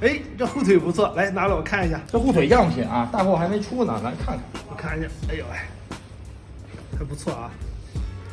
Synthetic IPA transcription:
e˥˩ɪʈ͡ʂɤ˥˧xu˥˩t̪ʰe˨˩ɪ˨pu˧˥t͡sʰwɔ˥˩la˧˥ɪna˧˥lə˨wɔ˨˩kʰa˥˩ni˧ɕ̬ja˥˩ʈ͡ʂə˥˧xu˥˩we˨˩ɪ˥jɑ˥˩ŋʰ˩jɛ˨˩˦nɐ˥˧t̪a˥˧kwɔ˥˩xa˧˥me˧˥ɪʈ͡ʂʰu˥˩nə̰˨˩na˧˥kʰa˥˩n˨˩wɔ˨˩kʰa˥˩ni˨˩ɕja˥˩a˥ɪjo˨˩a˥˩ | xa˧˥ɪpu˧˥t͡sʰwɔ˥˩ɐ˧˩

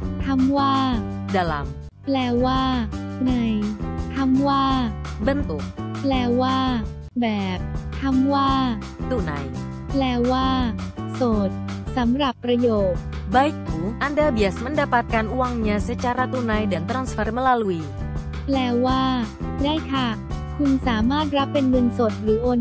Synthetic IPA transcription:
t̪ʰa˧˥mwaː˥˩da˨la̰˨˦m | plɛː˧waː˥˩na˧jt̪ʰa˧˥mwaː˥˩bə˧nt̪u˨˩k̚plɛː˧waː˥˩ | bɛː˨˩p̚t̪ʰa˧˥mwaː˥˩ | t̪u˧˨na̰˧j | plɛː˧waː˥˩so˨˩t̪̚sa˩˦mɾa˨˩pːɾa˧joː˨˩t̪̚ | ba˧˦jkʰuː˨˦ŋʔa˧ndəː˧bi˨˧˩a˨˩sma˧˥ndaː˧pa˧t̪̚ka˧nʔu˧wa˧ŋɲa˧se˦˥t͡ɕa˧ɾa˧t̪u˧na˧jdɛ˨˩˦nt̪ɾa˧nsfa˧ɾma˧laː˧lu˧iː˧ | plɛː˧waː˥˩daː˥˩jk̪ʰa˧˩ | kʰu˧nsaː˩˦maː˥˩t̪̚ɾa˦˥pːe˧nŋɤ˧nso˨˩t̪̚ɾɯː˨˩˦ʔoː˧n

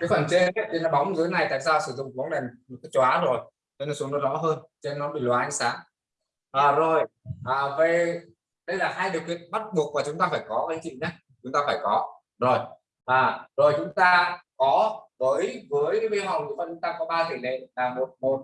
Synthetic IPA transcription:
kaː˨˦jxwaː˧˩nt͡ɕe˧˦˥ɗe˧nla˨˩ɓa˨˦wŋ͡mzɨ˨˦jna˨˩jt̪a̰ː˧˨t̚zaː˧sɨ˧˩zʊ̰˧˨ŋ͡mvɔ˨˦ŋ͡mɗe˨˩nmo˨˩t̚ka˨˦t͡ɕaː˨˦zo˨˩j | t͡ɕne˧˩su˨˦əŋnɔ˨˦zɔ̰˧˥ɦəː˧nt͡ɕe˧nːɔ˨˦ɓi˨˩lwaː˨˧˦ʔŋsaː˨˦ŋ | ʔəː˨˩zo˨˩jʔəː˨˩ve˨˩ | ɗə˧jlaː˨˩ɦaː˧jɗə˨˩əwkwḭ˧˨ənɓa˦˥t̚ɓu˨˩ək̚maː˨˩t͡ɕʊ˨˦ŋ͡mt̪aː˧faː˧˩jkɔ˨˦kaː˨˦t͡ɕḭ˧˨nə˨˦jʰi˨˩t͡ɕʊ˨˦ŋ͡mt̪aː˧faː˧˩jkɔ˨˦ | zo˨˩j | ʔaː˨˩zo˨˩jt͡ɕʊ˨˦ŋ͡mt̪aː˧kɔ˨˦vəː˨˦jvəː˨˦jɓe˧ɦa˨˩wi˨˦vɔː˨˩t͡ɕʊ˨˦ŋ͡mt̪aː˧kɔ˨˦ɓaː˧t̪i˧˩lḛ˧˨laː˨˩mo˨˩t̚mo˨˩t̚

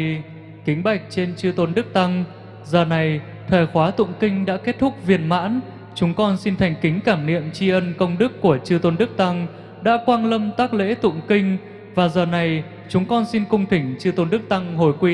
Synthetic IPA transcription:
kï˨˦ŋ̟ɓa˨˩jk̟̚t͡ɕe˧nt͡ɕɨ˧t̪o˨˧nɗɨ˦˥k̚t̪a˧ŋ | zəː˨˩na˨˩j | t̪ʰəː˨˩jxwaː˨˦t̪ʊ̰˧˨ŋ͡mkï˧ŋ̟ɗa̰ː˧˥ke˦˥t̚t̪ʰʊ˦˥k̚vi˨˩ənma̰ː˧˥n | t͡ɕʊ˨˦ŋ͡mkɔ˧nsi˧nt̪ʰa˨˩jŋ̟kï˨˦ŋ̟kaː˧˩mnḭ˧˨əmt͡ɕi˧ʔə˧nkə˧wŋ͡mɗɨ˦˥kːu˧˩ət͡ɕɨ˧t̪o˧nɗɨ˦˥k̚t̪a˧ŋ | ɗa̰ː˧˥kwaː˧nlə˧mt̪aː˦˥k̚lḛ˧˥t̪ʊ̰˧˨ŋ͡mkï˧ŋ̟ | vaː˨˩zəː˨˩na˨˩j | t͡ɕʊ˨˦ŋ͡mkɔ˧nsi˧nkʊ˧ŋ͡mt̪ʰï˧˩ŋ̟t͡ɕɨ˧t̪o˧nɗɨ˦˥k̚t̪a˧ŋho˧˩jkwi˧

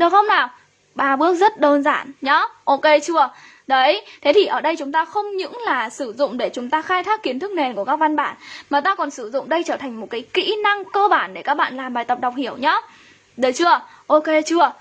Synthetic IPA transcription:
ɗɨ˨˩xə˧wŋ͡mnaː˨˩w | ɓaː˧ɓɨ˦˥ək̚zə˦˥t̚ɗəː˧nza̰ː˧˩˨nɲɔ˨˦ʔo˧ke˧t͡ɕɨ˧ə | ɗə˨˦jt̪ʰe˨˦t̪ʰi˨˩ʔəː˧˩ɗə˧jt͡ɕʊ˨˦ŋ͡mt̪aː˧xə˧wŋ͡mɲɨ̰˧˥ŋlaː˨˩sɨ˧˩zʊ̰˧˨ŋ͡mɗe˧˩t͡ɕʊ˨˦ŋ͡mt̪aː˧xaː˧jt̪ʰaː˦˥kːi˨˦ənt̪ʰɨ˦˥k̚ne˨˩nku˧˩əkaː˦˥k̚va˧nɓaː˧˩nmaː˨˩t̪aː˧kɔ˨˩nsɨ˧˩zʊ̰˧˨ŋ͡mɗə˧jt͡ɕəː˧˩t̪ʰa˨˩ŋ̟mo˨˩t̚kaː˨˦jkḭ˧˥na˧ŋkəː˧ɓaː˧˩nɗe˧˩kaː˦˥k̚ɓa̰ː˧˨nlaː˨˩mɓaː˨˩jt̪ə˨˩p̚ɗa˨˩wk͡p̚hi˧˩əwɲɔ˨˦ | ɗə˨˦t͡ɕɨ˧ə | ʔo˧ke˧t͡ɕɨ˧ə

